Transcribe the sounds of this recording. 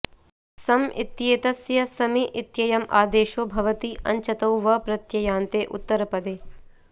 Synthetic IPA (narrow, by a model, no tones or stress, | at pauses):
sɐmḭt̪jeːt̪ɐsjɐsɐmiʔit̪jɐjɐmʔa̰ːd̪eːʃoːbʱɐʋɐt̪iʔɐ̰ɲt͡ʃɐt̪ɐwʋɐpɾɐt̪jɐjaːnt̪eːʔut̪ːɐɾɐpɐd̪eː